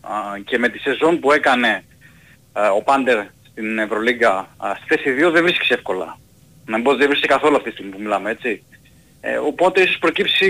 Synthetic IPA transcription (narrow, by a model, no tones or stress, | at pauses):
ce̞me̞t̪ise̞zo̞npue̞kɐne̞ | o̞pɐnd̪e̞ɾst̪inevɾo̞liɡɐst̪i̥θe̞siðio̞ðevɾisce̥seefko̞lɐ̰ | nɐmibozðevɾisksekɐθo̞luɐft̪it̪ːst̪iɣmipumilɐmee̞t͡ssḭ | o̞po̞t̪eiso̞spɾo̞cipsi